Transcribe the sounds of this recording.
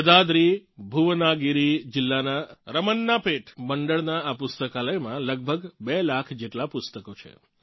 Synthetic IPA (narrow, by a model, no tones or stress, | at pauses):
əd̪ad̪ɾibʱuʋnaɡiɾid͡ʒɪlːanaɾəmənːapeʈʰməɳɖəɭnaapʊst̪əkaləjmãləɡ̚bʱəɡbelakʰd͡ʒeʈlapʊst̪əkot͡ʃʰḛ